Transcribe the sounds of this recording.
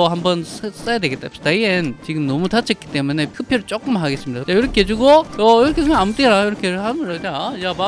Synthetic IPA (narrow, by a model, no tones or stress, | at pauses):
hambʌns͈ajadwe̞ɡet͈a̰ɕidaient͡ɕiɡɯmnʌmutat͡ɕʰʌk͈i̥t͈e̞mune̞k͈ʰɯpʰjʌɾɯɭt͡ɕ͈ok͈ɯmaɦaɡe̞s͈ɯmidat͡ɕ͈ajoɾʌkʰed͡ʑuɡoʌjiɾʌkʰesʰɯaamut͈enajiɾʌkʰehamɯɾad͡ʑajaba